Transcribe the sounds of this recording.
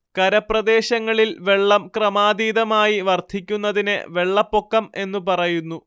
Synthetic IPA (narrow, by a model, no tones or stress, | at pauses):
kɐɾɐprɐd̪e̞ːɕɐŋːɐɭilʋe̞ɭːɐmkrɐmaːd̪iːðɐmaːjiʋɐrt̪ʰikʲːunːɐðinḛʋe̞ɭːɐpːo̞kːɐme̞nːupɐrɐjunːu